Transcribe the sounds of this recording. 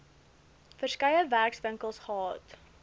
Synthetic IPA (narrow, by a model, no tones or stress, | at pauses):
fərskɐjəværksvəŋkəlˠsχəɦɑːt